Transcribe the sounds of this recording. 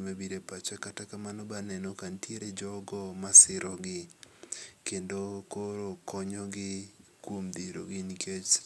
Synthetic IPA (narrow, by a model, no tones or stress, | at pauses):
mabiɾepat͡ʃɛkatakamanɔbanɛnɔkantjeɾed͡ʒɔɡɔmasɪɾɔɡɪ | kendokoɾokɔɲɔɡɪkwomd̪iɾo̰ɡɪnikʰet͡ʃ